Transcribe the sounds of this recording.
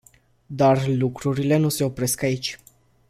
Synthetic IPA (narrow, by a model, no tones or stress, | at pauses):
d̪arlukɾuɾile̞nuse̞o̞pɾe̞skait͡ʃʲ